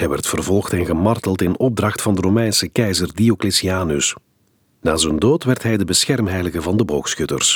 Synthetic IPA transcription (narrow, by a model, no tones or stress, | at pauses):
ɦɛjʋɛrtfərvɔlˠxtɛnɣəmɑrtəlˠtɪnɔb̚drɑxtfɑndəromɛjnsəkɛjzərdioklɪsiaːnɵs | naːzəndoːtʋɛrtɦɛjdəbəsxɛrmɦɛjləɣəvɑndəboːxsxɵtə̰rs